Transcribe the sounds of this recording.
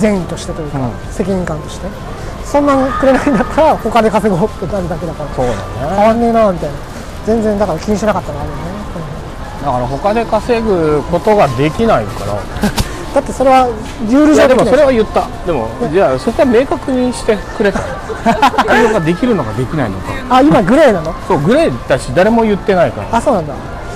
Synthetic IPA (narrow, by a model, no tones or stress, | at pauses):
zẽ̞ɰ̃ĩt̪o̞ɕi̥t̪e̞t̪o̞jɯka | se̞kʲiɲ̟ĩŋkãnt̪oɕi̥t̪e̞ | sõ̞nːãŋkɯ̟ɾe̞naind̪akaɾaho̞kad̪ekase̞ɡo̞ːt̪ːenaɾɯd̪ak̬e̞d̪akaɾaso̞ːd̪a̰nekaβanːe̞ːnaːmʲit̪aina | zẽ̞nd͡zẽ̞nd̪akaɾakʲiɲ̟iɕinakat̪ːaɾoaɾɯjone̞sõno | d̪akaɾaɦo̞kad̪e̞kase̞ɡɯ̟ko̞t̪o̞ɡad̪e̞kʲinaika̰ɾa̰ | d̪̥at̪ːe̞so̞ɾe̞βa | jɯːɾɯ̟ʑoːd̪emoisso̞ɾe̞βajɯ̟t̪ːa | d̪e̞mo̞̰ned͡ʑaːso̞koame̞ːkakɯ̟ɲ̟iɕi̥t̪e̞kɯ̟ɾe̞t̪a | aoɡad̪e̞kʲiɾɯ̟no̞ɡad̪e̞kʲinainoka̰aimaɡɯ̟ɾainãnoso̞ːɡɯ̟ɾaid̪̥aɕid̪aɾe̞mo̞jɯ̟t̪ːe̞naika̰ɾa̰aso̞ːnãnd̪a̰